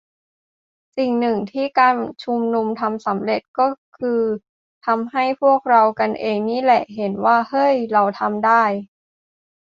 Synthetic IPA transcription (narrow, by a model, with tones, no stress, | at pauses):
si˨˩ŋnɯ˨˩ŋt̪ʰiː˥˩kaː˧nt͡ɕʰu˧mnu˧mt̪ʰa˧msa˩˦mɾe˨˩t̪̚kɔː˥˩kʰɯː˧ | t̪ʰa˧mɦa˥˩jpʰu˥˩ək̚ɾa˧wka˧nʔeː˧ŋniː˥˩lɛ˨˩ʔɦe˩˦nwaː˥˩hɤ˥˩jɾa˧wt̪ʰa˧mdaː˥˩j